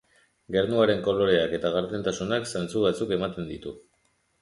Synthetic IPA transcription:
ɡe̞ɾnuaɾe̞ŋko̞lo̞ɾe̞ake̞t̪aɣaɾt̪e̞nt̪asunaksant͡suβat͡suke̞mat̪e̞nd̪it̪u

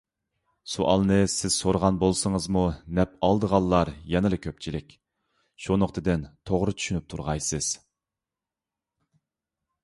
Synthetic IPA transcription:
suʔɑ̰lˠnɨsɪz̥soɾəʁɑnbolˠsəŋəzmunɛp̚ɑlˠd̪əʁɑlˠːɑɾjɛnɨlɨkʲʰøp̚t͡ʃʰilɪkʲ | ʃunoqt̪ʰɨd̪ɪnt̪ʰoʁɾɨt͡ʃ̪ʰy̥ʃynyp̚t̪ʰuɾʁɑjsɨz̥

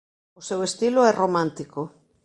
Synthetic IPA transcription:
osewest̪iloɛromãnt̪iko

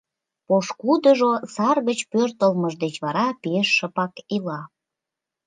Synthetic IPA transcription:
poʃkud̪əʒosɑrɣət͡ɕpørt̪əlməʒd̪et͡ɕβɑɾɑpeʃːəpɑkilɑ

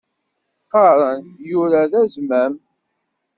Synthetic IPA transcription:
qːɑɾˤənjʊɾaðæzmæm

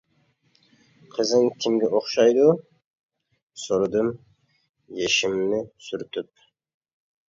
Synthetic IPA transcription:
qʰəzɨŋkʲʰimɡʲɛʔoχʃɑjd̪u | soɾd̪ɨm | jeʃɪmnɪsyɾt̪ʰyp̚

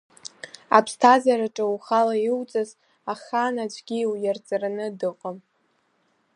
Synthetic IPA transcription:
a̰pʰstʰazaɾaʈ͡ʂʼawχalaiwt͡sʼaz | aχanad͡ʒʷʼɡʲiwjart͡sʼaranɨdɨqʼəm

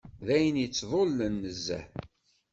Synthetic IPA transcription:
ðæjənjət͡sːðˤolːənːəzːæ̰

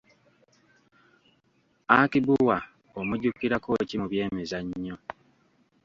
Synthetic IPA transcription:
akibuwa | omuɟukːiɾako̞cimuβje̞ːmezaɲːo

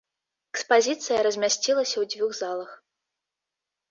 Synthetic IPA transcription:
ɛkspazʲit̪sɨjɐɾɐzʲmʲasʲt͡sʲilˠɐsʲɐwd͡zʲvʲuxzalˠɐx

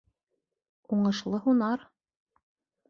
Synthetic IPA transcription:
uɴɤ̆ʃlˠɤɦunɑɾ

